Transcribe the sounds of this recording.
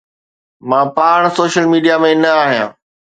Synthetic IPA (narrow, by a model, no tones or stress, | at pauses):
mãːpaːɽ̃soːʃəlmiːɖijamẽnɐaːɦijã̰ː